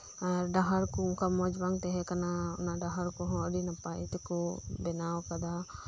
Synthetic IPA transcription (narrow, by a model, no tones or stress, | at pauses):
aɖaɦaɾkɔʊŋkamɔd͡ʒbaŋt̪ɛɦɛkanaʊnaɖaɦaɾkɔɦɔ̃əɖinapajt̪ɛkɔbɛnawkad̪a